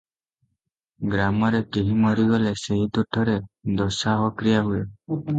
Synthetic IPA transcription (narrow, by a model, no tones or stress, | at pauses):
ɡɾamɔɾekeɦimɔɾiɡɔleseɦit̪uʈʰɔɾed̪ɔsaɦɔkɾijaɦue